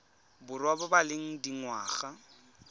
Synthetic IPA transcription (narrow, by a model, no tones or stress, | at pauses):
bʊrwabʊbalɪŋ̩diŋwaːɣa